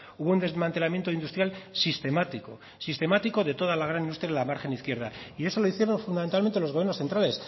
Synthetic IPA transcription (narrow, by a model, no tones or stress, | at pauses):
uβo̞und̪ezmant̪elamje̞nt̪oind̪ust̪ɾjalsist̪e̞mat̪iko̞ | sist̪e̞mat̪iko̞ðe̞t̪o̞ð̞alaɣ̞ɾanind̪ust̪ɾjaðelamaɾxe̞niθkjeɾða̰ie̞so̞lo̞iθje̞ɾo̞ɱfund̪ament̪alment̪elo̞zɣjeɾnosθe̞nt̪ɾale̞s